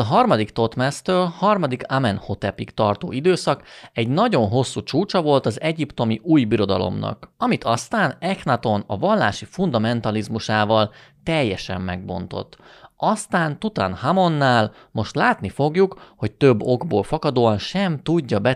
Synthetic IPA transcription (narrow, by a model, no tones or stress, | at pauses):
ɒɦɒrmɒd̪ikt̪o̞t̪mɛst̪øːlhɒrmɒd̪ikamɛnho̞t̪ɛpikt̪ɒrt̪o̰ːʔid̪øːsɒkɛɟnɒɟo̞nɦo̞sːut͡ʃuːt͡ʃɒvo̞lt̪ɒzɛɟipt̪o̞miʔuːjbiɾo̞d̪ɒlo̞̰mnɒ̰kɒmit̪ʰɒst̪aːnɛxnɒt̪o̞nɒvɒlːaːʃifund̪ɒmɛnt̪ɒlizmuʃaːvɒl | t̪ɛjːɛʃɛ̰mːɛɡ̚bo̞̰n̪t̪o̞̰t̪ːɒst̪aːnt̪ut̪ɒ̰nhamo̞nːaːl | mo̞ʃt̪laːt̪nifo̞ɡjukho̞ct̪ø̞bːo̞ɡboːlfɒkɒd̪oːɒnʃɛmt̪uɟːɒbɛ